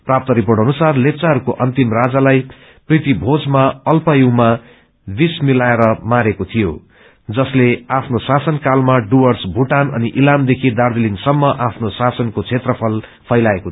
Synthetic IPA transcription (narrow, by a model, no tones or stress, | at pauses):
prap̚t̪ʌɾipoʈɦʌnusarlep̚t͡saɦʌɾukoʔʌnt̪imrad͡zalaj | prit̪ibʱod͡zmaʌlpʌjiwma | b̪ismilaeɾʌmaɾekot̪ʰijo | d͡zʌsleapʰnosasʌnkalmaɖuwʌrsbʱuʈanʌ̰niʔilamd̪ekʰid̪ard̪ilinsʌmːʌʔapʰnosasʌnkot͡sʰet̪rʌpʰʌl | pʰʌjlaeko